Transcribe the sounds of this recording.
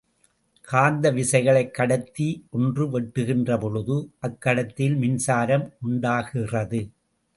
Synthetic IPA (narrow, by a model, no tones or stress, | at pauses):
kʰaːnd̪ɐʋɪsɐɪɣɐɭɐɪkːɐɽɐt̪ːiʔɔndrɯʋɛʈːɯɣɪndrɐpɔɻɯðɯʔɐkːɐɽɐt̪ːɪlmɪnsaːɾɐmʔʊɳɖaːɣɪrɐðɯ